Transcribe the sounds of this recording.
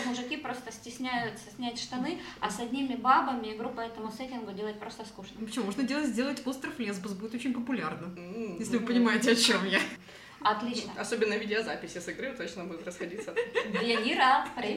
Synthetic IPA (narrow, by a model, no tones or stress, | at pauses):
mʊʐɨkʲipɾo̞st̪əsʲtʲɪsʲnʲæjʊt̪səsʲnʲætʲʂt̪ɐnɨɐsɐdʲnʲimʲɪbabəmʲɪɡɾupːəɛt̪əmʊsɛtʲɪnɡʊdʲe̞lˠət̚ʲpɾo̞st̪əskuʂnəpə̥t͡ɕɪmumoʐnədʲe̞lˠətʲzʲdʲe̞lˠətʲost̪ɾəflʲezbəsbudʲɪt̪ot͡ɕʲɪ̃nʲpəpʊlʲarnəjesʲlʲɪvɨpənʲɪmaɪtʲɪɐt͡ɕomja | ɐt̪lʲit͡ɕnəɐsobʲɪnːəvʲidʲɪɐzapʲɪsʲɪsɨɡɾɨt̪ot͡ɕ̪nəbudʲɪt̪ɾəsxɐdʲit̪səvjaiɾapɾʲɪ